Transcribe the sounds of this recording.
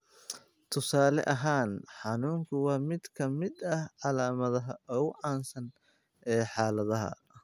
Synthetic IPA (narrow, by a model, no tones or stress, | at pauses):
t̪ʰʊsaːlɛ̰ʔɐɦaːnħɑnuːŋkʰʊwɑːmɪd̪kʰɐmɪd̪ɐhʕɑlaːmɐðɐɦɐɔːɣʊʕɑːnsɐn | ʔɛːħɑːlɐðɐɦɐ̰